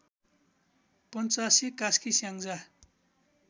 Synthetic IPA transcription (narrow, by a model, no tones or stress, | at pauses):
pʌnt͡sasikaskisjaŋd͡za